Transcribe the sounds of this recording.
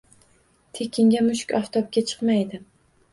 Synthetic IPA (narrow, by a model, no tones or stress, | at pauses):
t̪ʰe̞kʲʰɪŋɡʲamʊʃɪ̥kʲaft̪ʰɒp̚kʲat͡ʃʰɨ̥qmajd̪ɪm